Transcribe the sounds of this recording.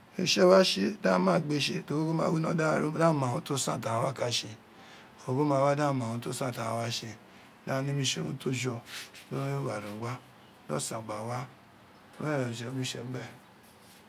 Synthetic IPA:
e˨ʃɛ˦wa˦ʃe˧dã˦mã˦˨ɡ͡be˧ʃe˧do˨ɡo˦ɡo˦mã̰˧˨wi˦nɔ̃˧˦da˦˨ɾo˦dã˦mã˨õ˨˦to˦sã˦˨ta˨ã˨wa˦˨ka˨˧ʃe˧ | o˨ɡo˦mã˧wa˦dã˦˨mã˨õ˧˦to˦sã˦˨ta˨ã˨wa˦ʃe˧ | dã˦˧nĩ˦mĩ˧˨ʃe˧˨nṵ̃˦to˦d͡ʒɔ˧do˦jo˦wa˨ɾũ˨ɡa˦ | nɔ̰˦˨sã˨ɡ͡ba˨wa˦ | ɛ˦˨ɾa˨i˨ʃɛ˧o˦mĩ˦ʃɛ˧˦ɡ͡bɛ˦˨

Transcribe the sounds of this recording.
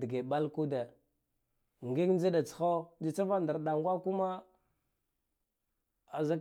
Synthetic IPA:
di˨ɡe˨ɓa˦lku˦de˨ | ŋɡi˦kn˦d͡ʒa˦da˨t͡sxo˦d͡ʒi˨t͡sa˦va˦nda˨ɾɗa˨ŋɡʷa˦ku˦ma˦ | a˨za˦k

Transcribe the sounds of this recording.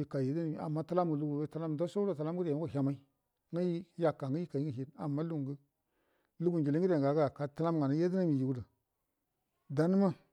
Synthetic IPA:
i˦ka˨je˦di˦n˦mi˨a̰˨mːa˦ta˦la˦mə˨lu˦ɡu˨we˦ta˦la˦m˨do˦so˦o˦˨ta˨˦la˦m˦ɡə˦dko˦˨ɦʲa˨ma˦i˦ | ŋə˦ji˦ja˦kːa˨ŋə˦ji˦ka˨ji˦ŋə˨ɦi˦da˨mːa˦lu˦˨ŋ˨ɡə˦ | lu˦ɡu˨nd͡ʒi˨le˦ŋɡi˦e˨a˨˦ɡa˦˨ka˨ta˦la˦mŋɡa˨na˦je˦di˦na˦mi˨ji˨wu˦də˨ | da˦n˦ma˦

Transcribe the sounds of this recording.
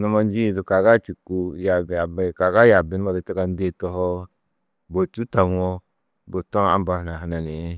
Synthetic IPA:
nɔ˨˦ma˦n˦d͡ʒi˦˨du˨ka˨ɡa˦t͡ʃi˨ku˦ja˨ba˨ba˨ka˨ɡa˦ja˨bi˦n˦a˨di˨ti˦ka˦n˦de˦tɔ˦hɔ˦ | bo˨t͡ʃu˦ta˨˦ɔ˦ | bo˨tɔ˦ŋa̰˨˦ba˨hna˨ɦa˨na˨ne˨˦

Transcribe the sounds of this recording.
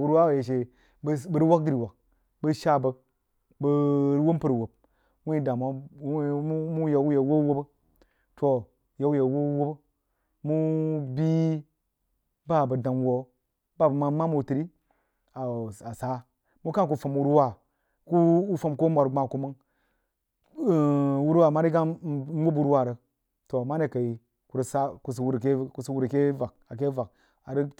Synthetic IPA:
u˦ɾwa˦˨je˨ʃe˨˦ | bə˨ɾi˦wa˦kɡi˨ɾi˨wa˨k̚ | bə˦ʃa˦bə˨ | bə˨ɾwo˦mpə˨ɾwo˨b̚ | mu˦i˦da˨ma˦ | u˦mu˦ja˨u˦je˨wo˦wo˦bə˦ | tʰo˨ | ja˨wu˦je˨wo˦wo˦bə˦ | mu˦bi˦ | ba˦˨bə˨da˨nwo˨ | ba˦˨ma˦ma˦mu˨ti˨ɾi˦ | a˨a˨sa˦ | mu˦ka˦˨k̬u˨fə˨m˨u˦ɾu˦wa˦˨ | ku˦u˦fə˨mko˦mʷa˨ɾɡ͡ba˨ku˦mə˦ŋ˨ | wu˦ɾwa˦˨ma˦ni˦ɡa˦u˦bu˦ɾwa˦˨ɾə˨ | to˨ma˦ne˨ka˨i˨ | ku˨ɾsa˦ku˨s̬u˦ɾke˦ku˨sə˦wu˦ɾke˦va˨k̚a˨ke˦va˨k | a˨ɾi˦

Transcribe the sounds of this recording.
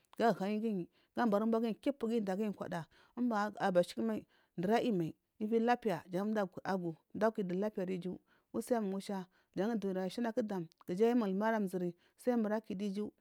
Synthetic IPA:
ɡa˦˨ɣa˨ɲi˦ɡi˦ɲi˨ | ɡ̥a˦mba˨ɾu˦ba˦ɡi˦˨ki˦pːu˨ɡi˦˨da˨ɡi˦˨kʷa̰˨da˨ | u˦mba˨a˨ba˨ʃi̥˦ki˦ma˦i˨ | ndə˨ɾa˦ʔi˦ma˨i˨ | i˦vi˦la˦pi˦ja˨d͡ʒa˨˦da˦˨a˨ɡu˨da˦ki˨di˨la˦pi˦ja˨di˦d͡ʒu˦ | wu˦sa˦a˦m˨ŋu˦ʃa˦ | d͡ʒa˨˦ŋ˦du˨i˨ɾa˨ʃi˦na˦ki˦da˨mɡ̥i˨d͡ʒa˦ji˦ma˨lma˦ɾa˦m˨zi˨ɾi˨ | sa˦i˦mə˨ɾa˦ki˨di˦d͡ʒi˦

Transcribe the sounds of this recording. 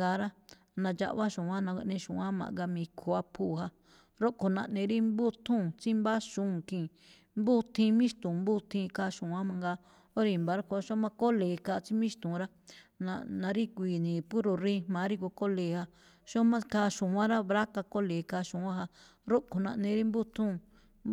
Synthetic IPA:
ɡa˧˦ɾa˦ | nã˧d͡ʒa̰˧ʔβa˦ʃũ˨ã˦nã˧a̰˧ʔnẽ˧ʃṵ̃˨ã˦mã̰˨˧ɡa˧mĩ˧kʰo˧˨a˦pʰuː˦˨ha˧ | ɾo˦ʔko˨nã˧ʔnẽ˧ɾi˦mbu˦t̪ʰũ˦˨t͡si˦mba˦ʃũ˦˨kĩː˨ | mbu˦t̪ʰĩ˧mĩ˦ʃt̪ũ˨mbu˦t̪ʰĩ˧ka˧ʃũ˨ã˦mã˧ŋɡa˧ | o˦ɾi˧˨mba˨˦ɾa˦ku˧a˦ʃõ˦mã˦ko˦leː˨ka˧t͡si˦mĩ˦st̪ũ˨ɾa˦nã̰˧nã˧ɾi˦kʷiː˨nĩ˨pu˦ɾo˨ɾĩ˦mã˨˦ɾi˦ko˧ko˦le˨ha˧ | ʃõ˦mã˦ka˧ʃũ˨ã˦ɾa˦βɾa˦ka˧ko˦le˨ka˧ʃũ˨ã˦ɦa˧ɾo˦ʔko˨nã̰˧ʔnẽ˧ɾi˦mbu˦t̪ʰũ˦

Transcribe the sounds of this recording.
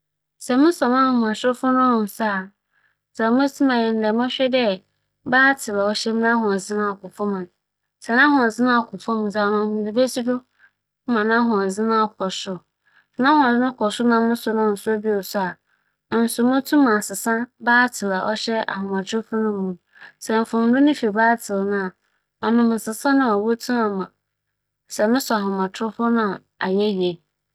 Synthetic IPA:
sɛ˨mʊ̃˦sɔ̃˨mã˦hʊ̃˨ã˨sfʊ˦nʊ̃˦m̃˨m˨sa˦˨ | sa˨˦mʊ̃˦tʰu˦mã˨jɪ˨n̩˦dɛ˨˦m˦ɔ̃˦ɕᶣɛ˦dɛ˦ | baː˦tʰɪ˨la˨ɔ˦ɕɛ˦m˦nã˦ɦʊ̃˨zɪ˦nã˦˨kʊ˨fɔ˦m̃˨n˨ | sɛ˨nã˦ɦʊ̃˨zɪ˦nã˦˨kʰʊ˨fɔ̃˦m˨d͡za˨nʊ̃˨hʊ̃˨di˨be˦ti˦dʊ˦ | mã˨nã˦ɦɔ̃˨d͡zɪ˦nã˦˨kʰɔ˨sʊ˦ | snã˦hʊ̃˨d͡zɪ˦nã˦kʰɔ˨sʊ˦nã˨mɪ̃˦sʊ˨nʊ̃˦˨n̩˨sʊ˦a˦bi˦o˨sʊ˦a˨ | n̩˨sʊ˨˦mʊ̃˦tʰũ˦mã˨sɪ˨sã˦baː˦tʰɪ˨la˨ʔɔ˦ɕɛ˦a̰˨hʊ̃˨mã˨tʰʊ˦fʊ˦nʊ̃˦mːũ˨ | sɛ˨m̩˨fʊ̃˨n̩˨dʊ˦nɪ̃˦fi˨baː˦tʰɪ˨lnʊ̃˦a˨ | ɔ˨nʊ̃˨m̩˨sɪ˨sã˦nã˨ɔ˨wo˦tʰũ˦mã˨mã˨ | sɛ˨mɪ̃˦sɔ˨a˨hʊ̃˨mã˨tʰʊ˦fʊ˦nã˨ | a˨jɛ˦ji˨e˨

